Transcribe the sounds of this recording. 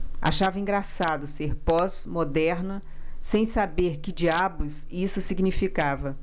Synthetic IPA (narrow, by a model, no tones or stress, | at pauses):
a̰ʃavɐĩŋɡɾasad̪ʊseɾpɔzmod̪ɛɾnɐ | sẽj̃sabeɾkɪd͡ʒiabʊz | isʊsiɡnifikavɐ